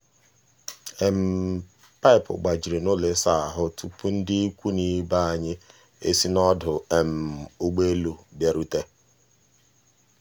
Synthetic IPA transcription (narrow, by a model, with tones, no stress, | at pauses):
e˨m̩˨ | pa˦ɪ˨pʊ̰˨ɡ͡ba˨d͡ʒi˨ɾe˨no˦le˨sa˦˨a˨ɦʊ˦tu˦pu˦n̩˦dɪ˦i˦kʷu˦ni˦ba˦a˨ɲɪ˦ | ḛ˦si˦nɔ˦dʊ˨e˨m̩˨o˦ɡ͡be˦lu˨bje˦ɾu˦te˦